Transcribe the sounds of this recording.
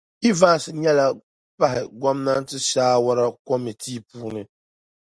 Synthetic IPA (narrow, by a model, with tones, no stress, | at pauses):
i˦va˦n˨sɨ˨ɲɛ˦la˨ | pa˦ɦɪ˨ɡʷɔ˦mna˦n˦tɨ˦ʃaː˦wa˦ɾa˦kɔ˦mi˨tʰiː˦puː˦nɨ˦